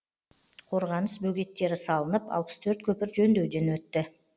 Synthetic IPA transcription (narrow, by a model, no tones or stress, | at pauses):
qʰo̞ɾʁɑnəsbɵɡʲe̞t̪ːe̞ɾɪsɑlˠənəpɑ̰lˠpə̥st̪ʰɵɾt̪kʲʰɵpɪɾʒɵnd̪e̞wd̪e̞nwɵt̪ːɪ